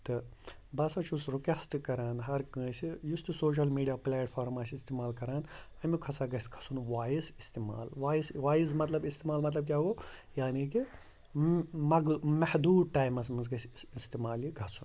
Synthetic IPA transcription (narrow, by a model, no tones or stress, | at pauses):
t̪ɨbɐsɐt͡ʃʰusɾukɐsʈkɐɾaːnɦɐɾkɨ̃ːsijust̪usoːʃ̬ɐlmiːɖijaːplʲaːʈfʰaːɾmaːsʲist̪imaːlkɐɾaːn | ɐmʲikʰɐsaɡɐsʲkʰɐ̥sunʋaːjisist̪iːma̰ːlʋaːisʋaːjizmɐt̪lɐbist̪iːmaːlmɐt̪̬lɐb̚kʲjaːoːjaːniːki | mɐɡmɐhd̪uːd̪̚ʈaːjmɐs̬mɨnz̬ɡɐsʲist̪iːmaːljiɡʱɐsun